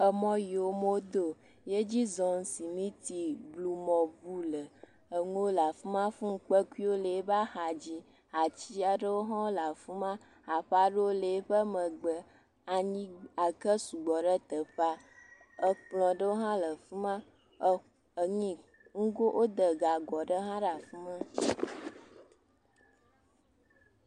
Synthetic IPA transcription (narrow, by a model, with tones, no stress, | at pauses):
ə˨mɔ̃˦ji˨o˦mo˦d̪o˦ | je˦d͡ʑi˦zɔ˨ŋ˨si˨mĩ˦t̪i˨blu˨mɔ̃˨bu˦lə˨ | ə˨ŋu˦o˦la˨fu˦mã˦fũ˦ŋ˨k͡pə˦ku˦i˦wo˦lə˨e˦ba˦ha˨d͡ʑi˦ | a˨t͡ɕi˦a˨ɖə˦wo˦ɦã˦wo˦la˨fu˦mã˦ | a˨ɸa˦ɖə˦wo˦lə˨e˦ɸə˦mə˨ɡ͡bə˨ | a˨ɲĩ˦a˨kə˦su˨ɡ͡bɔ˨ɖə˦t̪ə˨ɸa˦ | ə˦k͡plɔ̃˨ɖə˦wo˦ɦã˦lə˨fu˦mã˦˨ | ə˨ŋĩ˨ | ŋũ˦ɡo˦ʔo˦d̪ə˨ɡa˨ɡɔ˨ɖə˦ɦã˦ɖa˨fu˦mã˦